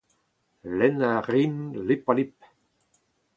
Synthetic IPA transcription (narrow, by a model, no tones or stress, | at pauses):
lɛnaʁinlepalip̚